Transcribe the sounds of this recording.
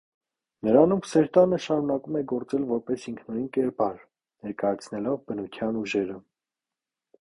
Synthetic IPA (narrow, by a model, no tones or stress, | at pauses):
nəɾɑnumsɛɾt̪ɑnəʃɑɾunɑkumɛɡɔɾt͡sɛlvɔɾpɛsiŋkʰnɔɾinkɛɾbɑɾ | nɛɾkɑjɑt͡sʰnɛlɔvbənut̪ʰjɑnuʒɛɾə